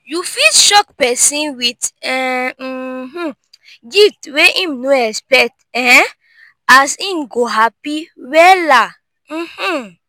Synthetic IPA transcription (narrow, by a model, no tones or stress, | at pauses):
jufilʃɔkpɛsĩnwitɛ | h̩ | ɡitweʔĩmnoɛspɛk̚tɛ | asĩmɡoɦapiwɛlã | h̩